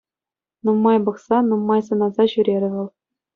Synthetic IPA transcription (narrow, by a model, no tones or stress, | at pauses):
numːɑjbɤ̆χsɑnumːɑjs̬ɤ̆nɑzɑɕyɾʲeɾʲɘ̆ʋɤ̆lˠ